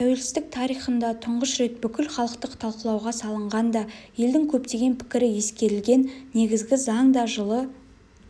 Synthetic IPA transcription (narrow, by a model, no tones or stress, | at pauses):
t̪ʰæwe̞lsɪzt̪ɪk̚t̪ʰɑɾijχənd̪ɑt̪ʰʊɴʁəsɾe̞t̪̚bʏkʲɪlχɑlˠəqt̪əqt̪ʰɑlˠqəlˠɑwʁɑsɑlˠəɴʁɑnd̪ɑje̞ld̪ɪŋkʲʰɵpt̪e̞ɡʲe̞npʰɪ̥kʲɪɾɪje̞skʲe̞ɾɪlɡʲe̞nːe̞ɡʲɪzɡʲɪzɑɴd̪ɑʒəlˠə